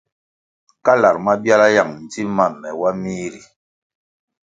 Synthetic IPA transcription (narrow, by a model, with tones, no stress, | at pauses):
ka˦la˨ɾma˦bja˦la˦ja˨ŋn̩˨ti˦ma˦˨mːɛ˨wa˦miː˦ɾi˨